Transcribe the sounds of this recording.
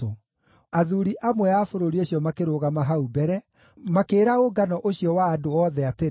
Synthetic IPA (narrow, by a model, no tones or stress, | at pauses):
o | aðuɾiʔamwɛafoɾoɾioɕijɔmakeɾoːɣamaɦaubɛɾɛ | makeːɾaoɡanɔʔoɕijɔwaːdoɔðɛate